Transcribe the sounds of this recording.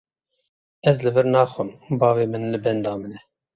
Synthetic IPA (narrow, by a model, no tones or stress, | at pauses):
ɛzlɨvɨɾnɑːxɨnbɑːveːmɨnlɨbɛnd̪ɑːmɨnɛ